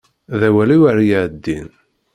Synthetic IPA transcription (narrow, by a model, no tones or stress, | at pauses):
ðæwæliwaɾjaʕd̪ːin